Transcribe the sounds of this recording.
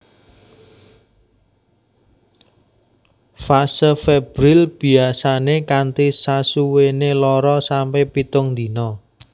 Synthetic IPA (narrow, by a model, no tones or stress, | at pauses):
fasəfeb̥ɾilb̥i̤asanekant̪isasuwenelɔɾɔsampepit̪ʊŋd̪i̤nɔ